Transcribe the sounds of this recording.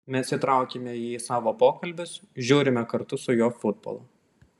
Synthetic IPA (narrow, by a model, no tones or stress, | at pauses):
mʲɛsit̪ɾɑˑʊkʲemʲɛiːsɑːʋoːpoːkɐlʲbʲʊsʒʲuːɾʲɪmʲɛkɐɾt̪ʊsʊjoːfʊd̪̚bo̰ːlˠɐ